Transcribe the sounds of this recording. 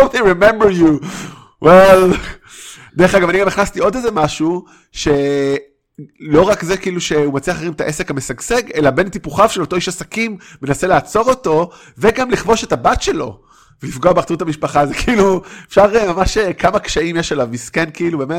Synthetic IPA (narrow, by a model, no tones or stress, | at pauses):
odiɹimẽmbəɹju | wʔel | d̪eʁeχaɡamaniɡamiχnast̪io̞dezemaʃu | ʃe̞ | lo̞ʁakzekiiluʃe̞umat͡siaχeimet̪aʔe̞se̞khamesaɡse̞ɡe̞labe̞nt̪ipuχavʃelot̪o̞iʃasakimːe̞nase̞leat͡so̞ʁo̞to̞ | veɡamliχvo̞ʃe̞tabatʃe̞lo̞̰ | velifɡoabeaʁtt͡sutamiʃpaχazekiiluefʃaʁemamaʃekamakʃaimjeʃalavmiskenkiilube̞met